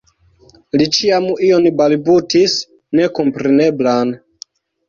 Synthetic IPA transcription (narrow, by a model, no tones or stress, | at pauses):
lit͡ʃiamio̞nbalbutis | ne̞ko̞mpɾe̞ne̞blan